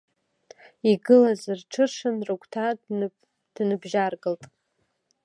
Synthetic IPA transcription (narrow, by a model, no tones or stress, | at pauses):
iɡɨlazɨrʈ͡ʂʰɨʂɨnrukʷʰʼtʰa | d̥nɨbʒarɡɨltʼ